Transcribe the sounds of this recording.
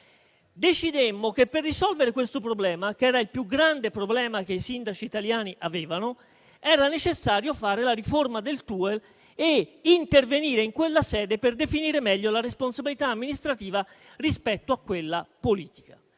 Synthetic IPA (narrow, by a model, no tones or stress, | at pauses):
d̪et͡ʃid̪emːok̟epːerːisɔlveɾekwest̪opɾoblɛːmakɛːɾailpjuɡɾand̪epɾoblɛːmak̟eisind̪at͡ʃiːt̪aljaːniʔaveːvano | ɛːɾanet͡ʃesːaːɾjofaːɾelaɾiformad̪elt̪uːel | eint̪erveniːɾeiŋkwelːasɛːd̪eperd̪efiniːɾemɛʎːolaresponsabilit̪aːmːinist̪ɾat̪iːva | rispɛt̪ːoakːwelːapoliːt̪i̥ka